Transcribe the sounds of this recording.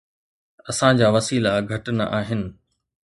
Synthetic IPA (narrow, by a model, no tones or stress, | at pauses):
ɐsãd͡ʑaːʋɐsiːlaɡʱɐʈɪnʔa̰ːɦɪnɪ̆